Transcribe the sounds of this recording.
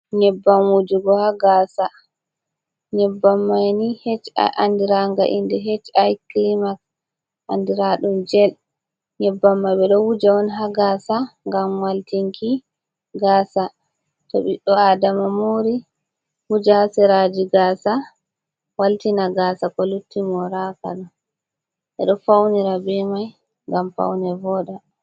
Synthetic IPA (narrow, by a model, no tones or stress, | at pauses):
ɲɛbːamwud͡ʒuɡɔhaɡaːsa | ɲɛbːamːajnihɛt͡ʃa̰jʔandiɾaŋɡa̰ʔḭndɛɦet͡ʃajklimak̚ | ʔa̰ndiɾaɗumd͡ʒɛl | ɲɛbːamːajɓɛɗɔwud͡ʒaɔnɦaɡasaŋɡamwaltiŋkʰi | ɡaːsa | tɔ̰ɓiɗɔadamamoɾi | wud͡ʒahasɛɾad͡ʒiɡaːsa | waltinaɡaːsakɔlutːimɔɾaka̰l | ɓɛ̰ɗɔfawniɾabimaj | ŋɡamfa̰wnɛvɔːɗa